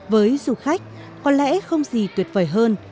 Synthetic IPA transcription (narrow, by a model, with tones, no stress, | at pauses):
vəː˨˦jzu˧˩xa˦˥jk̟̚ | kɔ˨˦nlɛ̰˧˥xə˧wŋ͡mzi˨˩t̪wi˨˩ət̚vəː˧˩jɦəː˧n